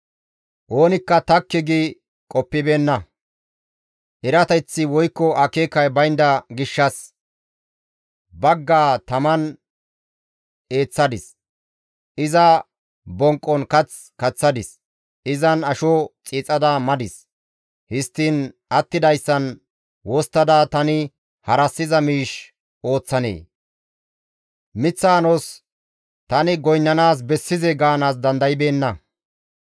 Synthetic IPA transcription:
ʔo̞ːnɪkːɐt̪ɐkːɪɡi | kʼɔpːɪbeːnːɐ | ʔɛɾɐt̪ɐt͡sːɪwɔjkːɔʔɐkeːkːɐjbɐjnd̪ɐɡɪʃːɐs | bɐɡːaːt̪ɐmɐn | e̞ːt͡sːɐd̪ɪs | ʔɪzɐ | bɔŋkʼːɔnkɐt͡s | kɐt͡sːɐd̪ɪs | ɪzɐnɐʃɔt͡sʼiːt͡sʼɐd̪ɐmɐd̪ɪs | hɪst̪ːɪːn | ɐt̪ːɪd̪ɐjsːɐn | wɔst̪ːɐd̪aːt̪ɐnɪ | hɐɾɐsːɪzɐmiːʃ | o̞ːt͡sːɐnḛː | mɪt͡sːaːnos | t̪ɐnɪɡɔjnːɐnaːs̬bɛsːɪzɛɡaːnaːs̬d̪ɐnd̪ɐjɪbe̞ːnːɐ

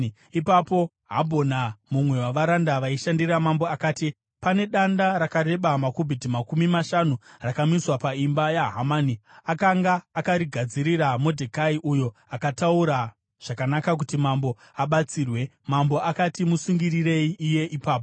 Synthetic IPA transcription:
ipapo̞ | ɦabʱonamumwe̞waʋaɾandaʋaiʃandiramambo̞akaːti | pane̞ɗandaɾakaɾe̞ɓamakubʱidimakumimaʃanurakamiswapaimbajaɦamaniakaŋɡaːkaɾiɡʱad͡ziɾiɾamo̞dʱekaiʔujo̞akatauɾa | ʐ̥akanakak̬utimambo̞ | aɓat͡siːrwe̞ | mambo̞ʔakatimusuŋɡirire̞iːje̞ʔipaːp̬o

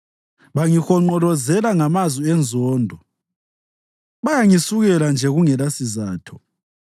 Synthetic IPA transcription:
βaŋixɔŋ͡ǃɔlɔzɛlaŋamazwiɛnd͡zʱɔːndʱɔ | βajaŋisuɣɛland͡ʒʱɛɣuŋɛlasizaːtʰɔ̥

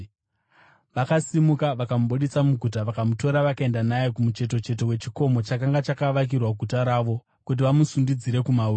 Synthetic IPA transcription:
ʋakasimukaʋakamuɓuɗit͡samuɡʱutaʋakamuto̞ɾaʋakae̞ndanajekumut͡ʃe̞t̬o̞t͡ʃe̞t̬o̞we̞t͡ʃi̥ko̞mo̞t͡ʃakaŋɡat͡ʃakaʋak̬irwaɡʱutaɾaːʋo̞ | kut̬iʋamusundid͡ziɾe̞kumau

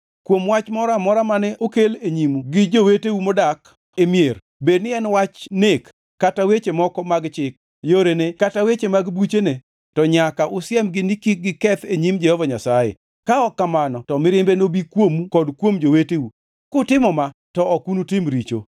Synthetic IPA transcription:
kwomwat͡ʃmɔɾamɔɾamanɛʔokeleɲimuɡɪd͡ʒowetewumodak | emjeɾ | bed̚nɪɛnwat͡ʃnekː | atawet͡ʃemɔkɔmaɡt͡ʃɪk̚ | joɾenekatawet͡ʃemaɡbut͡ʃene | tɔɲakaʔʊsɪjɛmɡɪnikiɡɪkɛt̪eɲimd͡ʒɛhɔvaɲasajḛ | kaɔkːamanɔtɔmɪɾɪmbenobikwomukɔdkwomd͡ʒoweteu | kʊtɪmɔmatɔɔkunutɪmɾit͡ʃo̰

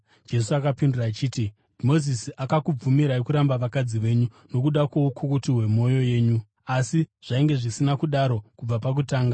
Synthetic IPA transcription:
d͡ʒe̞suakapinduraːt͡ʃiːti | dmo̞zisiakakub͡vumiɾaekuɾambaʋakad͡ziʋe̞ːɲu | no̞kuɗakwoukʰukutiɦwe̞mo̞jo̞je̞ːɲu | asiʐ̥aiŋɡe̞ʐisinakuɗaɾo̞kub͡vapak̬utaːŋɡa

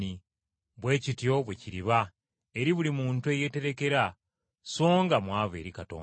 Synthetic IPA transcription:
i | βwe̞ːcitijo̞βweciɾiβa | e̞ɾiβulimuːntueje̞te̞ɾe̞ke̞ɾa | so̞ːŋɡamwaːβe̞̰ːɾikato̰ː

